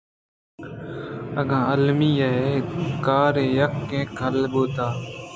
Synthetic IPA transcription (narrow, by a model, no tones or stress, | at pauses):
əɠãːəlmiːəɦeːkaːɾẽːjəkːẽːkʰəlɓoːt̪aː